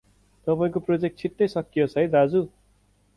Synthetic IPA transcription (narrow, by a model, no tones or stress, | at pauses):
t̪ʌpaĩkoprod͡zek̚ʈ̚t͡sʰiʈːʌjsʌkːijʌsʰʌjd̪ad͡zu